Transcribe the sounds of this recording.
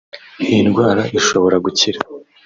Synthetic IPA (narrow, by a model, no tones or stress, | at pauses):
iinɡwaːɾaʔiʃoβo̞ɾaɡuciɾa